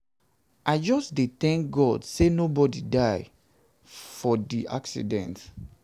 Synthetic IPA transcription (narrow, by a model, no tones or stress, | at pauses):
aɪd͡ʒɔsdet̪ɛ̃ŋk̚ɡɔdsenobɔdidaɪ | fɔdiʔa̰ksḭdɛ̰̃nt